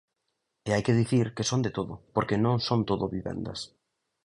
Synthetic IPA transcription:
eajkeð̞iθiɾkesond̪et̪oðʊpoɾkenõŋsõnt̪oðʊβiβɛ̰nd̪ɐ̰s

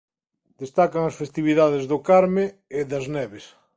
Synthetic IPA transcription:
d̪est̪akaŋɐsfest̪iβiðaðezðʊkaɾme | ɪðɐznɛβes

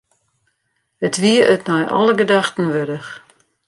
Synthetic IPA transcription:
ətʋiəʔətnɔjʔɔ̰ləɡədaxtən̩ʋødəx

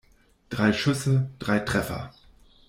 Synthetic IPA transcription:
d̥ʁaɪʃʏsəd̥ʁaɪtʁ̥ɛfɐ̰

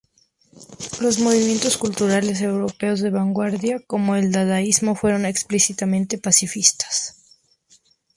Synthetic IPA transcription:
lo̞zmo̞β̞imje̞nt̪o̞skult̪uɾale̞s̬e̞wɾo̞pe̞o̞zðe̞βaŋɡwaɾðjako̞mo̞e̞ld̪aðaizmo̞fwe̞ɾo̞ne̞ksplisit̪amẽ̞nt̪e̞pasifist̪ḁs

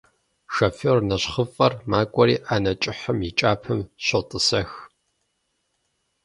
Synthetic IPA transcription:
ʂɐfoːrnɐɕχəfʼɐrmaːkʷʼɔɾiːʔaːnɐt͡ʃʼɪħəmjit͡ʃʼaːpʰɨmɕotʼɨsɐx

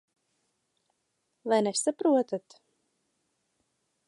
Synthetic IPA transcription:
lajnɛsapɾuɔt̪at̪

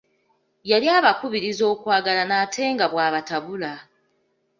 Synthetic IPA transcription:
jaliaːβakuβiɾizo̞ːkwaːɡalanaːtʰe̞ːŋɡaβwaːβataβula

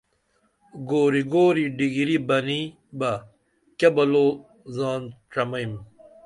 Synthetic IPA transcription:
ɡoːɾiɡoːɾiɖiɡiɾibɐni | bɐ | kebɐloː | zaːnʈ͡ʂɐmɐim

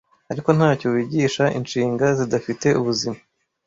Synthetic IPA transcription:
aɾiko̞n̥haːcowiːɟiːʃaʔḭnʃiːŋɡazidafite̞ʔuβuzima

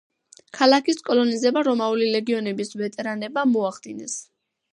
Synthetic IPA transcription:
kʰalakʰiskʼɔlˠɔnizɛbaɾɔmaulilɛɡiɔnɛbisvɛt̪ʼɛɾanɛbamɔaχd̪̥inɛs

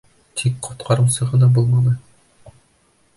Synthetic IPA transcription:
t̪ʰik̚qʰŏt̪qʰɑɾɤ̆msɤʁɤ̆nɑbulˠmɑnɤ

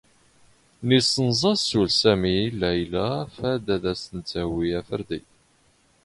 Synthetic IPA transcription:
nisənzˤɑsulsæmilːæjlæfæd̪æðæsənt͡sːæwiæfəɾd̪ḭ

